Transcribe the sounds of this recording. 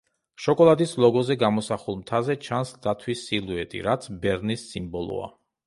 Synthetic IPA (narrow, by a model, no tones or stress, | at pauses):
ʃɔkʼɔlˠad̪islˠɔɡɔzɛɡamɔsaχulˠmt̪ʰazɛt͡ʃʰansd̪at̪ʰwisilˠuɛt̪ʼḭɾat̪sʰbɛɾnisːimbɔlˠɔ̰a̰